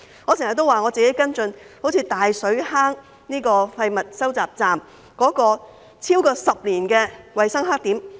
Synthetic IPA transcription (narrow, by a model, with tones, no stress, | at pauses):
ŋɔː˨˧sɪ˨˩ŋhɐ˨˩t̪o˥waː˨˩ŋɔ˨˧t͡siː˨ke˨˥jkɐ˥nt͡sɵ˧n | ho˨˥wt͡sʰi˨˧˥t̪aː˨jsɵ˨˥ɥhaː˥ŋ | niː˥kɔː˧fɐ˧jmɐ˨t̚sɐ˥wt͡saː˨p̚t͡saː˨m | kɔː˨˥kɔː˧ | t͡sʰiː˥wkɔː˧sɐ˨p̚liː˨˩nkɛː˧wɐ˨jsɐ˥ŋɦaː˥k̚t̪iː˨˥m